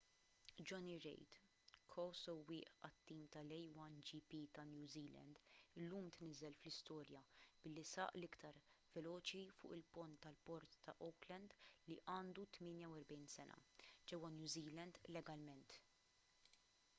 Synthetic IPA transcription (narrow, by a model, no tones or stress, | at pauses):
d͡ʒɔniɾɛ̰jt̪ | kʰɔsɔwɪːʔɐt̪ːiːmt̪ɐlɛjwɐnd͡ʒipiːt̪ɐnjuːziːlɛ̰nd̪ɪlːuːmt̪nɪzɛlflɪst̪ɔːɾjɐb̥ɪlːisɐ̰ːʔlɪkt̪ɐɾvɛlɔːt͡ʃifʊ̰ːʔɪlpɔnt̪ːɐlpɔɾt̪ːɐʔɔklɛnd̪liʔɐːnd̪ut̪mɪːnjɐwɛɾbɛjnsɛnʔɐ̰d͡ʒɛwːɐnjuːziːlɛnd̪lɛɡɐlmɛnt̪